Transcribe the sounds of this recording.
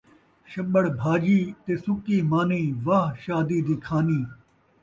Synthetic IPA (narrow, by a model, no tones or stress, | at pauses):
ʃɐɓəɽbʱaːd͡ʒiːt̪eːsʊkiːmaːnĩːʋaːɦʃaːd̪iːd̪iːkʰaːniː